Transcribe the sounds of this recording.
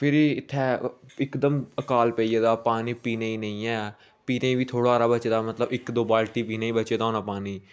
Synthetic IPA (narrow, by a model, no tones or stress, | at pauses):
pʰɪɾiɪt̪ʰːɛːɪkd̪əməkaːlpɛieːd̪aːpaːniːpiːneːiːnəĩːɛː | piːneːiːbiːt̪ʰoːɽaːɾaːbət͡ʃeːd̪aːmət̪ləbɪkd̪oːbaːlʈiːpiːnẽĩːbət͡ʃeːd̪aɦoːnaːpaːniː